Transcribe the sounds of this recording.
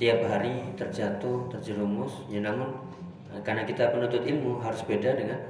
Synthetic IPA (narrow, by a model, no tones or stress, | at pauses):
t̪iap̚ɦaɾit̪ərd͡ʒat̪ʊht̪ərd͡ʒəɾumʊsjanamʊn | əkarnakit̪apənunt̪ʊt̪ilmuɦaɾʊsbedadakan